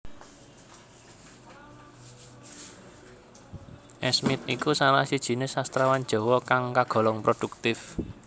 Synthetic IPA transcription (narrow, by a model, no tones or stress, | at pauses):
ʔɛsmɪt̪̚ikusalahsid̥ʒ̥i̤nɪsast̪ɾawan̥d͡ʒ̥ɔ̤wɔkaŋkaɡ̥ɔ̤lɔŋpɾod̥ṳk̚t̪ɪf